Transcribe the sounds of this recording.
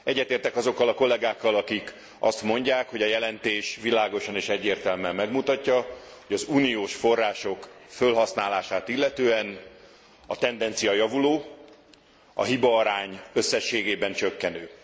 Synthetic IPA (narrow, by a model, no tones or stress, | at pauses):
ɛɟːɛt̪eːrt̪ɛkɒzo̞kːɒlɒko̞lːɛɡaːkːɒlɒkik | ɒ̰st̪mo̞ɲɟaːkho̞ɟɒjɛlɛnt̪eːʃʋilaːɡo̞ʃɒneːʃɛɟːeːrt̪ɛlmɛmɛɡmut̪ɒcːɒhoɟɒzuːnijoːʃfo̞rːaːʃo̞kfølɦɒsnaːlaːʃaːt̪ilːɛt̪øːɛn | ɒt̪ɛnd̪ɛnt̪sijɒjɒvuloː | ɒ̰ɦibɒɒɾaːɲø̞sːɛʃːeːɡeːbɛnt͡ʃøkːɛnøː